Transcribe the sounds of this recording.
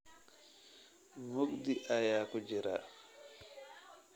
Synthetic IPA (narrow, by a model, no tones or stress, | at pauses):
ŋoɡdiʔajaːkɔd͡ʒɛɾa̰ː